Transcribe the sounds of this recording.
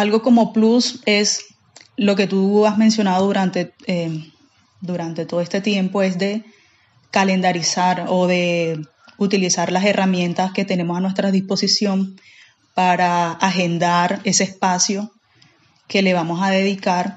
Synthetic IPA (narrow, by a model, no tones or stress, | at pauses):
alɣo̞ko̞mo̞pluse̞s | lo̞ke̞t̪uazmensjo̞naðoðuɾant̪e̞e | d̪uɾant̪e̞t̪oðest̪et̪je̞mpo̞e̞sd̪e̞ | kale̞nd̪aɾisaɾo̞ðe̞ | ut̪ilisaɾlase̞rʔamjẽ̞nt̪aske̞t̪e̞ne̞mosanwe̞st̪ɾaðispo̞sisjo̞n | paɾaːxe̞nd̪aɾe̞se̞eːspasjo̞ | ke̞le̞β̞amo̞saðe̞ðikaɾ